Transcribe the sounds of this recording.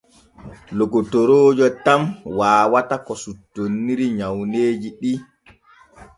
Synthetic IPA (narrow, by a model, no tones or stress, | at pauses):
lokotoɾoːd͡ʒɔtamwaːwatakɔsutːonːiɾiɲawneːd͡ʒiɗi